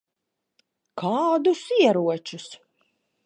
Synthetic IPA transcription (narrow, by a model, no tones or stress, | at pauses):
kʰaːd̪ʊsiɛɾuɔt͡ʃʊs